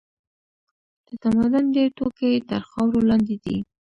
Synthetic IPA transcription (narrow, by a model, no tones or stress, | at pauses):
d̪̥ət̪amad̪ʊnd̪et̪okeet̪əɾxɑwɾolɑnd̪ed̪ḭ